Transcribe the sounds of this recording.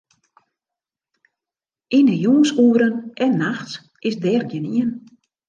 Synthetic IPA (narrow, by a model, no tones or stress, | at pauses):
inəjuəsuəɾənʔɛnːaxts | ɪsdɛːrɡjəniən